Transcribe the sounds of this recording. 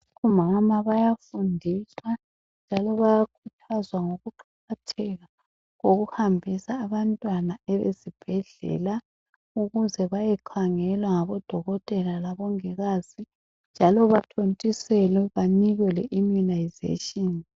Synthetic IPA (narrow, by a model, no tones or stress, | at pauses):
umamaβajafundʱiswa | nd͡ʒʱalɔβajakʰutʰazwaŋoɣuǃʰaɣatʰɛɣa | ɣoɣuhambʱisaːβantʼwanaɛβḛzib̥ʱɛɮɛ̰la | uɣuzɛβajɛǃʰaŋɛlwaŋaβɔd̥ʱɔɣɔtʼɛlalaβɔŋɛɣaːz̥i | nd͡ʒʱalɔβatʰontʼisɛlɛβaniɣwɛlɛ̰ʔimunajzḛtʼin